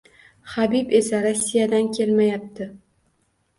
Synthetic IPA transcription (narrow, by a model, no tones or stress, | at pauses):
χabipe̞saɾasːijad̪ankʲʰe̞lmajap̚t̪ʰɪ